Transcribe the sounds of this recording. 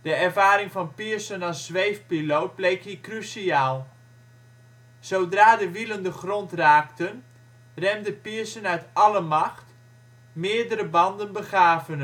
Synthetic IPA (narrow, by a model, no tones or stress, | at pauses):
d̥əɛrvaːɾɪŋfɑnpiəsənasːʋejfpilowt̚blejkhikrysiaːlˠ | sowdraːdəʋiləndəχrontraːktən | rɛmdəpiəsənœɥtɑləmɑxt | mɪːədəɾəbɑndənbəχaːvən